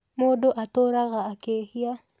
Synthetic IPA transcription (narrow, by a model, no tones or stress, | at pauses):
moɗoʔatoɾaɣaːkehia